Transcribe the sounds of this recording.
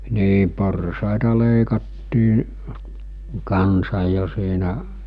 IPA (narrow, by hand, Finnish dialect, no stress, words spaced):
niː porsɑˑetɑ leˑikɑtːiː kɑnsɑj̆ jo siːnæ